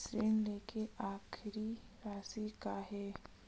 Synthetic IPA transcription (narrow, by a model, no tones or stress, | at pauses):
sɾeːnleːkeʔaːxʰɾi | ɾaːsikaːɦɛː